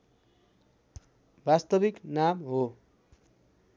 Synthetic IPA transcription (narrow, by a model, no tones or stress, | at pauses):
bast̪ʌbiknamɦo